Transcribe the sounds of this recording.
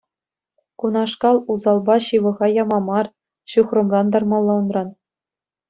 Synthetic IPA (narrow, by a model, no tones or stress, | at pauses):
kunɑʂkɑlˠuzɑlˠbɑɕɯʋɤ̆ʁɑjɑmɑmɑr | ɕuχrɤ̆mrɑnd̪ɑrmɑlˠːɑunrɑn